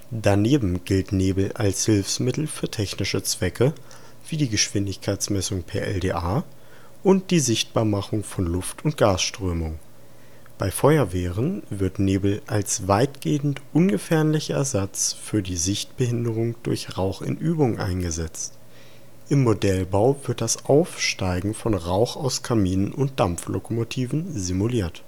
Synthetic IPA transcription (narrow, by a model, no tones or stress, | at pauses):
d̥aneːbm̩ɡɪltneːbl̩ʔalshɪlfsmɪtl̩fyːɐtʰɛçnɪʃət͡sv̥ɛkʰə | v̥iːdiːɡəʃv̥ɪndɪçkʰaɪt͡smɛsʊŋpʰɛɐʔɛ̰ldeːʔaː | ʔʊnt̚d̥iːzɪçt̚b̥aːɐmaχʊŋfɔnlʊftʰʊnt̚ɡ̥aːsʃtʁ̥øːmʊŋ | b̥aɪfɔʏɐveːʁənvɪɐtneːbl̩ʔalsvaɪtɡ̥eːn̩tʔʊnɡəfɛɐnlɪçɐɛɐzat͡sfyːɐdiːzɪçtb̥əhɪndəʁ̞ʊŋd̥ʊɐçʁaʊxɪ̰nʔyːbʊŋʔa̰ɪnɡəzɛt͡st | ʔɪmːodɛlbaʊv̥ɪɐt̚d̥asʔaʊfʃtaɪɡŋ̩fɔnʁaʊxaʊskʰamiːnənʔʊnt̚d̥amlokomotʰiːvn̩zimuliːɐt